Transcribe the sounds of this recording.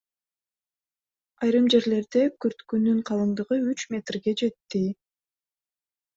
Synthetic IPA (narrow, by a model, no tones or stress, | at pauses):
ɑjɾɯmd͡ʒe̞ɾle̞ɾd̪e̞køɾt̪kynyɴqʰɑlˠɯnd̪ɯʁɯyt͡ʃmʲe̞t̪rɡe̞d͡ʒe̞t̪ːi